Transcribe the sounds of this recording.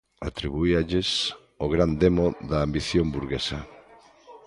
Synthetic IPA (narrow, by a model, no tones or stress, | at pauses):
a̰t̪ɾiβuiaʎes | oɣ̞ɾand̪emoðɐːmbiθjombuɾɣesɐ